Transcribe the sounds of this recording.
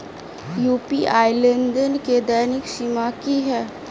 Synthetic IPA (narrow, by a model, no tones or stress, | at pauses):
jupiʔajlənd̪ənked̪ɛjniksimakiɦɛ